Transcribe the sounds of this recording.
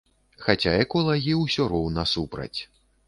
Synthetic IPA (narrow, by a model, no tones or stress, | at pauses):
xat͡sʲaɛkɔlˠɐɣʲiwsʲɔɾɔwnɐsupɾɐ̰t͡sʲ